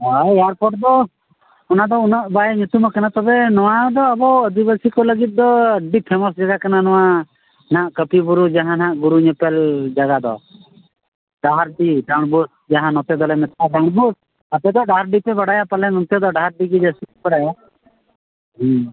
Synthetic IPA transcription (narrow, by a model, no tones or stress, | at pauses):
ɦajaɾpɔʈd̪ɔ | ɔnad̪ɔunɔʔbajɲut̪umakanat̪ɔbɛnɔwad̪ɔːbɔəd̪ibəsikɔləɡit̪̚d̪ɔɖipʰɛmɔsd͡ʒaɡakananɔwa | naʔkəpibuɾud͡ʒaɦãnãʔɡuɾuɲəpɛld͡ʒaɡad̪ɔ̰ | ɖaɦaɾɖiɖaɳ̃bus̚ | d͡ʒaɦãnɔt̪ɛd̪ɔlɛmɛt̪aʈaɳ̃but̪̚ | apɛd̪ɔɖaɾɖipɛbaɽajapalɛnɔ̃nt̪jɔd̪ɔɖaɦaɾɖiɡid͡ʒasibaɽaja | ɦɛ̃